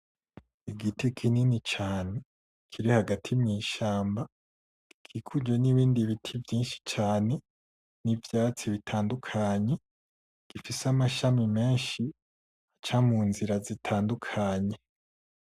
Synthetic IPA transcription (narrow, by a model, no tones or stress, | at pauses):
iɡitikʰininit͡ʃaːne | kʰiɾihaɡatʰimɲiːʃaːmba | kʰikʰud͡ʒweniβiːndiβitʰivjiːnʃi̥t͡ʃaːne̞ | nivjaːt͡siβitʰaːndukʰaɲe̞ | ɡ̥ifisamaʃamime̞ːnʃi | at͡ʃamuːnziɾazitʰaːndukʰaɲe̞